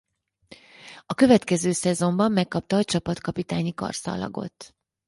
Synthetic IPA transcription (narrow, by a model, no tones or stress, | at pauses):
ɒkø̞vɛt̪kɛzøːsɛzo̞mbɒmːɛkːɒp̚t̪ɒːt͡ʃɒpɒt̪kɒpit̪aːɲikɒ̰rsɒ̰lɒ̰ɡo̞̰t̪ː